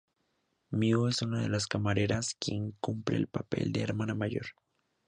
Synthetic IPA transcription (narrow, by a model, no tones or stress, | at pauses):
mioe̞sunaðe̞laskamaɾe̞ɾaskje̞ŋkumpɾe̞̰ːlpape̞̰ld̪eːɾmanamaʝo̞̰ɾ